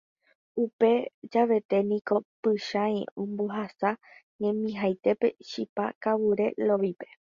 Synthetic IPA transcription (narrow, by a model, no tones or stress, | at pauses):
upe̞d͡ʒaʋe̞t̪e̞nĩko̞pɨʃa̰õmboɦasa | ɲẽ̞mĩɦajt̪e̞pe̞ʃipakaβuɾe̞̰lo̞ʋipe̞̥